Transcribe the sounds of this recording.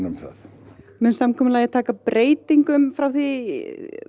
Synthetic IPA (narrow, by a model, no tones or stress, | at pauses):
nʏmθa̰θ | mʏnsamkʰɔːmʏlajɣɪt̪ʰaːkapɾʔeːjt̪iŋkʏmfɾawθi